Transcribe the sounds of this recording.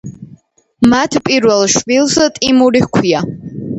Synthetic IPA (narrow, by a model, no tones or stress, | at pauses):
matʰpʼirwalʃbilsatʼimuɾikʷʰja